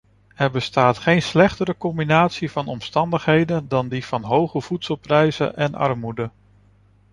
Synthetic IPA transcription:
ɛɹbəstaːtχejnslɛχtəɾəkɔmbinaːtsivɑnɔmstɑndəχɦejdəndɑndiv̥ɑnɦowχəv̥utsəlˠprɛjzə̰ʔɛnʔɑ̰ɹmudə

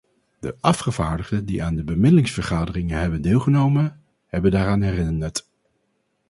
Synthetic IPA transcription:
d̥əʔɑfχəvaːɹdəχdədiʔaːndəbəmɪdəlɪŋsfəɹχaːdərɪŋəɦɛbəndeːlˠχənowmən | hɛbəndaːɾaːnɦɛrɪnəɹt

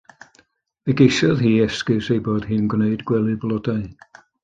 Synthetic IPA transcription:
ɨɡejsɔðiːɛskɪsejboːd̥hɨːnɡwneɨdɡwɛlˠɨblˠɔdaɨ

